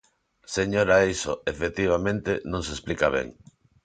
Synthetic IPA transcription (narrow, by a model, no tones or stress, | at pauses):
seɲoɾaejsoefet̪iβ̞amẽnt̪enõŋsesplikaβɛ̰ŋ